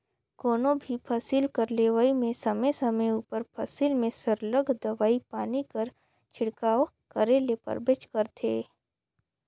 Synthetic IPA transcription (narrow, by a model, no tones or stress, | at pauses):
koːnõbʱipʰaːsilkɐɾleːʋaːimẽsɐməjsɐməjuːpəɾpʰɐsilmẽsɐɾləɡʱd̪ɐʋaːipaːnikɐɾ | t͡ʃʰɪɽkaːʋ | kəɾelepə̰ɾbet͡ʃkəɾt̪ʰḛː